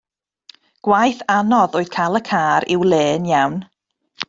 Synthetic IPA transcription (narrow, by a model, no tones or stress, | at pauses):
ɡ̥wajθanɔðoːɨð̥kʰaːlˠəkʰaːɾɪwlˠeːnjawn